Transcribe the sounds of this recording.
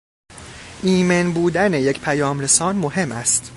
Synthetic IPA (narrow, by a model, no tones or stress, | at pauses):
ʔiːmenbuːd̪æne̞je̞cʰpʰæjɒːmɾe̞sɒːnmo̞ɦe̞mʔæst̪